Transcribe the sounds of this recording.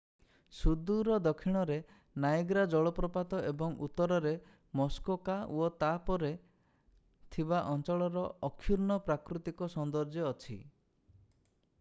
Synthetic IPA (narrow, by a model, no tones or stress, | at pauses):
sud̪uɾɔd̪ɔkʰiɽ̃ɔɾe | najeɡɾad͡ʒɔɭɔpɾɔpat̪ɔʔebɔŋṵt̪ːɔɾɔɾe | mɔskokawɔt̪apɔɾe | t̪ʰibaʔɔnt͡ʃɔɭɔɾɔɔkʰːjuɾnɔpɾakɾut̪ikɔsɔnd̪ɔɾd͡ʒeɔt͡ʃʰi